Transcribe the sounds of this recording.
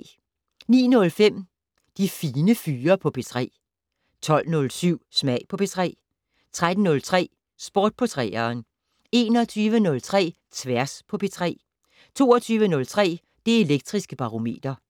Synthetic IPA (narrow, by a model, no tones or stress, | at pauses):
nḭːnɔ̽lfem̰ | d̥ifiːnəfyːɐpʰɒ̽pʰe̝t͡sʰʁɛ̰ː | t͡sʰɒ̽l̰nɔ̽lsyʊ̰smæɪ̰pʰɒ̽pʰe̝t͡sʰʁɛ̰ː | t͡sʰʁad̥n̩nɔ̽lt͡sʰʁɛ̰ː | sb̥o̝ːd̥̚pʰɒ̽t͡sʰʁɛ̰ːɐːn | e̝ːnɒt͡sʰyːʋənɔ̽lt͡sʰʁɛ̰ː | t͡sʰʋæɐspʰɒ̽pʰe̝t͡sʰʁɛ̰ː | t͡sʰo̝̰ːɒt͡sʰyːʋənɔ̽lt͡sʰʁɛ̰ː | d̥ee̝leɡ̥̚d̥ʁisɡ̥əb̥ɑ̈ʁo̝me̝̰ːd̥ɐ